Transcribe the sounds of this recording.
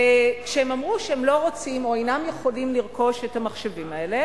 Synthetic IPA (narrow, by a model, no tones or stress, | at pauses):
kʃeemamʁuʃeemlo̞ʁot͡simo̞ajnamjeχo̞limliʁko̞ʃethamaχʃevimae̞le̞